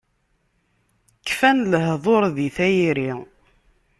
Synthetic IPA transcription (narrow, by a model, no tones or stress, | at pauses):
kːfænləɦðˤoɾˤðiθæjiɾi